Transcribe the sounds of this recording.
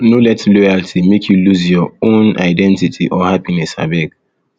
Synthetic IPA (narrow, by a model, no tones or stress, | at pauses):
nolɛtlojaltʰimekʰjuluzjɔõna̰ɪdɛ̃ntitʰiʔɔhapinɛsa̰bɛɡ